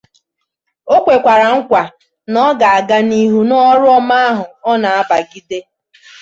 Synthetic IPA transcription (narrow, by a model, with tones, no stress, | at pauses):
o˦kʷe˨kʷa˨ɾa˨ŋ̩˦kʷa˨ | nɔ˦ɡa˨a˨ɡa˦ni˦ɦu˦nɔ˦ɾʊ˦ɔ˦ma˦a˦ɦʊ˨ɔ˦na˨a˦ba˨ɡi˦de˦